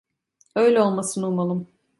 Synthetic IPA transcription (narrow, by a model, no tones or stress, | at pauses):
ø̞jlʲɛo̞lˠmasɯnumalˠɯm